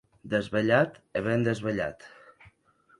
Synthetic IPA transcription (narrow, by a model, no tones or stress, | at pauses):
d̪əzβəʎat̪əβend̪əzβəʎa̰t̪